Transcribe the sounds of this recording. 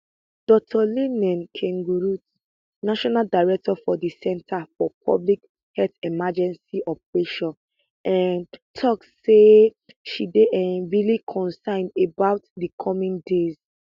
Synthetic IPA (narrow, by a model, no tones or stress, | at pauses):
d̥ɔk̚tʰɔlenɛ̃nkʰɛ̃ŋɡuɹut | naʃɔnaldaɪɹɛk̚tɔfɔdisɛ̃ntʰafɔpʰɔ̰blik | hɛltɛmad͡ʒɛ̃nsiʔɔpɹeʃɔ̃n | ʔãntʰɔk̚ | se | ʃideʔɛɹilikʰɔ̃nsãɪ̃ndebaʊtdikʰɔmĩndez̥